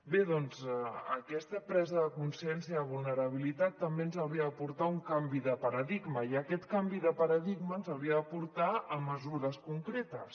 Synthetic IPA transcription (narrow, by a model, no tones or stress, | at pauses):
beðɔnzəkɛst̪əpɾɛzəðəkunsiɛnsiəðəβ̞ulˠnəɾəβ̞ilit̪at̪ːəmbenzawɾiəðəpuɾt̪auŋkambiðəpəɾəðiɡməiəkɛt̪kambiðəpəɾəðiɡmənzawɾiəðəpuɾt̪aəmːəzuɾəskuŋkɾet̪əs